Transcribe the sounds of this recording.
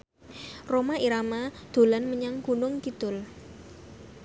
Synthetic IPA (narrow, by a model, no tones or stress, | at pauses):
romaʔiɾamad̪̥o̤lanməɲaŋkunʊŋk̪id̪ʊl